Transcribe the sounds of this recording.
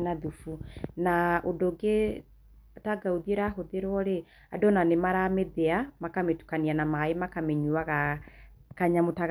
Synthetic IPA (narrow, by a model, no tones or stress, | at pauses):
naðufunaodoɡe | taɡauðieɾaɦoðeɾwɔɾe | adonanemaɾameðeamakametu̥kanianamaemakamɛɲuaɣa | kaɲamotaɣ